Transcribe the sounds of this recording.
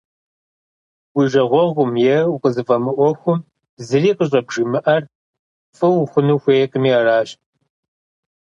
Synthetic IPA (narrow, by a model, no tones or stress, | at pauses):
wiʒɐʁʷɔʁʷʊmjɛuqəzɨfʼɐmɨʔʷɔxʷʊm | zɨriːqʼəɕ̬ʼɐbʒ̥ɨmɨʔɐr | fʼɨwʊxʷʊnuːxʷeːɛqʼəmiaraːɕ